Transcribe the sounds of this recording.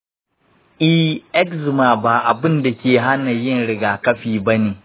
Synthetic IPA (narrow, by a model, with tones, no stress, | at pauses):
ʔɪ˦ʔɛ˦kzɪ˨maː˨baː˨ʔa˨bɪ˦nda˨kʲeː˨ɦa˦na˨jɪ˦nɽɪ˨ɡaː˨kɐ˦ɸiː˨bɐ˦neː˨